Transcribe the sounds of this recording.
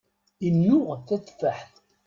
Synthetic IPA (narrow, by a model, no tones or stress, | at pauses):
inːuθæt͡sːfəħθ